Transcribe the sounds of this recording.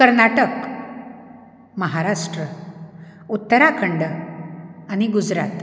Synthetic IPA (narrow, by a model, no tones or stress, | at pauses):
kəɾnaʈək | məɦaɾaʂʈɾə | ut̪ːəɾakʰəɳɖə | añiɡud͡zɾat̪